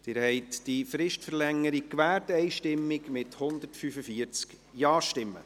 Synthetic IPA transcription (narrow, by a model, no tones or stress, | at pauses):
d̥ɪːɾhɛɪtd̥ifɾɪʃtfəɾlɛŋːəɾikʋæːɾtɛjʃtɪmːɪkmɪthʊnd̪əɾtfyfəfiəɾt͡sk | jɑːʃtɪmːə̰